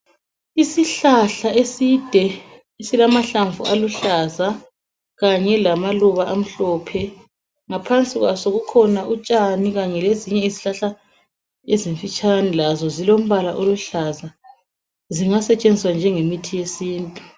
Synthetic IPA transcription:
isiɬaɬaesid̥ʱɛ | isilamaɬaɱvṵʔaluɬaza | ɣaɲɛlamaluβaʔam̩ɬɔpʰɛ | ŋapʰant͡sʼiɣwasoɣukʰɔnaʔut͡ʃʼaniɣaɲɛleziɲɛiziɬaɬa | eziɱfit͡ʃʼanilazɔzilom̩βalaʔoluɬaza | ziŋasɛt͡ʃʼend͡zʱiswand͡ʒʱɛŋemitʰijesiːntʼu

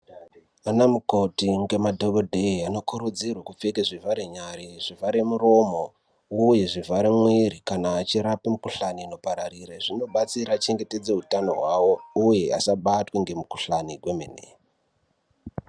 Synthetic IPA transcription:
anamukotiŋɡe̞madʱoɡodʱeiano̞kuɾod͡zirwakup͡fekeʐivaɾeɲaɾiʐ̥ivaɾemuro̞mo | uje̞ʐivaɾemwiɾikanaːt͡ʃiɾapamukuɬaniːno̞paɾarireʐino̞ɓat͡siɾat͡ʃe̞ŋɡe̞te̞d͡ze̞utano̞ɦwawo̞uje̞a̰saɓatweŋɡe̞mukuɬaniɡʱwemḛnḛ

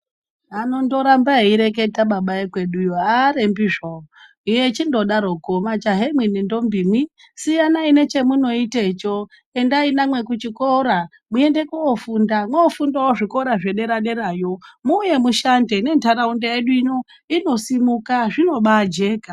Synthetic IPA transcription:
anondo̞ɾambaiɾek̬e̞taɓaɓaekwe̞ɗujoaɾembiʐo | ijet͡ʃindo̞ɗaɾo̞komat͡ʃaɦemwinindo̞mbimwi | sijanaine̞t͡ʃe̞muno̞itet͡ʃo | e̞ndainamwe̞kut͡ʃikoɾa | mue̞nde̞kuofundamwoːfundawoʐiko̞ɾaʐeɗe̞ɾaɗe̞ɾajo̞muːje̞muʃandene̞ntʰaɾaundejeɗuino̞ | ino̞simukaʐino̞ɓad͡ʒe̞ːka

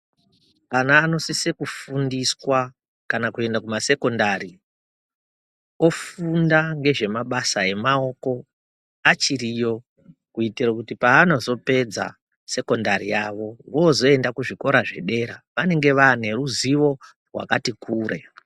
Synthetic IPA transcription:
kanaːno̞sise̞kufundiswa | kanakue̞ndakumase̞ko̞ndaɾi | o̞fundaŋɡe̞ʐe̞maɓasae̞mao̞ko̞ | at͡ʃiɾijo̞ | kuitirakutipaːnozo̞pe̞d͡za̰ | se̞ko̞ndaɾijaʋo̞wozo̞e̞ndakuʐiko̞ɾaʐe̞̰ɗe̞ɾaʋane̞ŋɡe̞ʋaːne̞ruziʋo̞ | rwa̰katikuːɾe̞̰

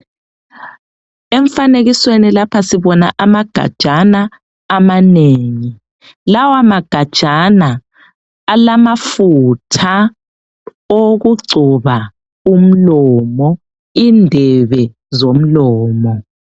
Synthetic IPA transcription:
ɛɱfaneɣiswenilapʰasiβɔnaʔamaɡ̥ʱa̰d̥ʒ̥ʱanaː | maneːŋi | lawamaɡ̥ʱad̥ʒ̥ʱanaː | lamafutʰa | oɣuǀʱuβa | um̩lɔmɔ | indʱɛβɛ | zom̩lɔːmɔ

